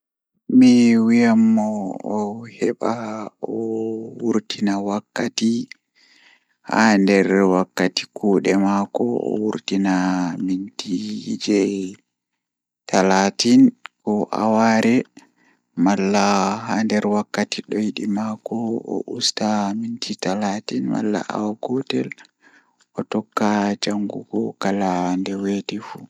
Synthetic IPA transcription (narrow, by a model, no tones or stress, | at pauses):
miwijamːɔː | hɛɓaɔwuɾtʰinawakːati | handɛɾwakːati̥kʰuːɗɛmakɔɔ̰wuɾtinamintid͡ʒɛ | tʰalatinkɔʔa̰waɾɛ | malːaɦandɛɾwakːatiɗɔjiɗimakɔɔ̰ʔustamintʰitalatinma̰lːa̰ʔa̰waɡɔtɛl | ʔɔtɔkːad͡ʒaŋɡuɡɔkalandɛwetɛfu